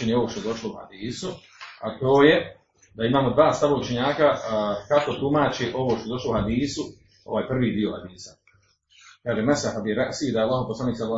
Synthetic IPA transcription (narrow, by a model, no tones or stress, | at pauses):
eɲeo̞ʋoːʃt̪o̞e̞d̪o̞ʃlouha̰d̪iːsu | at̪o̞ːje̞ | d̪aimaːmo̞d̪ʋaːst̪aʋaut͡ʃeɲaːkakako̞t̪umaːt͡ɕeʔo̞ʋoːʃt̪od̪o̞ʃlo̞uhad̪iːsu | o̞̰ʋaːjpr̩ːʋiːd̪io̞had̪iːsa | kaːʒemasahab̪ieɾaʔsid̪aalːˠaːɦoposlaniːksad̪l